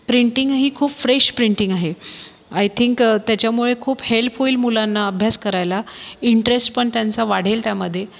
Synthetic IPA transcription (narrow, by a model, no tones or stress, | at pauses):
pɾiɳʈiŋɡɦiːkʰuːpfɾeɕpɾiɳʈiŋɡaɦe | ajt̪ʰiŋkt̪jat͡ɕjamuɭekʰuːphelpʰoilmulanːaəbʱjaskəɾajlaiɳʈɾesʈpəɳt̪jant͡saʋaɽ̤elt̪jaməd̪ʱːje